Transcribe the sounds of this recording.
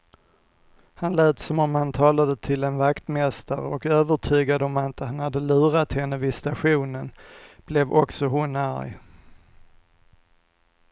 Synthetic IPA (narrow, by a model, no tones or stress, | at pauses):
hanlɛːt̪sɔmɔmhant̪ʰɑːlad̪ət̪ʰɪlɛnvakt̪mɛst̪aɾɔkøːvəʈʰyːɡad̪əɔmɪnt̪əhanhad̪ːəlʉ̟ːɾat̪hɛnːəvɪst̪aɧuːnənb̥lɛvɔksɔɦʊnæɾj